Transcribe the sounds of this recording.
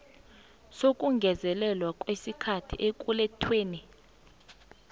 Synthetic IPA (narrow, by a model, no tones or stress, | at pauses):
sokʼuŋɡʱɛzɛlɛlwakʼwesikʰatʰḭʔek̬ʼulɛtʰweːni